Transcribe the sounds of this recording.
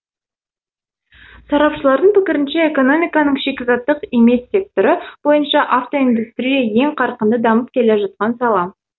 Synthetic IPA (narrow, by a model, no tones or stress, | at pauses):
sɑɾɑpʃəlˠɑɾd̪əɴpɪkʲɪɾɪnʃeeko̞no̞mʲijkɑnəɴʃe̞kʲɪzɑt̪ːəqeme̞sʲːe̞k̚t̪oɾəb̥o̞jənʃɑʔaft̪o̞ind̪ust̪ɾijɑje̞ŋqʰɑɾqənd̪əd̪ɑməp̚kʲʰe̞le̞ʒɑt̪̚qɑnsɑlˠɑm